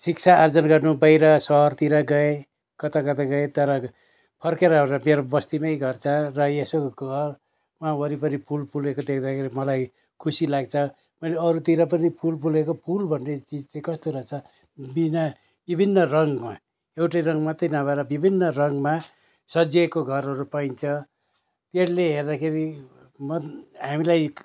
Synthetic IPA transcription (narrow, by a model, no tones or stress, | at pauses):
sikt͡sʰaːrd͡zʌnɡʌrnubʌjɾʌsʌɦʌrt̪iɾʌɡʌe | kʌt̪akʌt̪aɡʌet̪ʌɾʌ | pʰʌrkeɾʌɦoɾt͡sʌmeɾobʌst̪imʌjɡʌrt͡sʰʌrʌesoɡʌr | mawʌɾipʌnipʰulpʰulekod̪ekʰd̪akʰeɾimʌlaj | kʰusilaɡt͡sʰʌ | mʌjleʌɾut̪iɾʌp̬ʌnipʰulpʰulekopʰulbʱʌnːet͡sid͡zt͡sãĩkʌst̪oɾʌt͡sʰʌ | bina | bibʱinːʌrʌŋma | ewʈʌjɾʌŋɡmʌt̪ʌjnʌbaeɾʌbibʱinːʌrʌŋɡma | sʌd͡zekoɡʱʌɾɦʌɾupaint͡sʰʌ | t̪eɾleɦerd̪akʰeɾi | mʌɦamilaj